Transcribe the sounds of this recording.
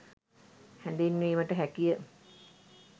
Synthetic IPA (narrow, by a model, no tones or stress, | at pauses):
hænd̪enːʋiːməʈəɦækijə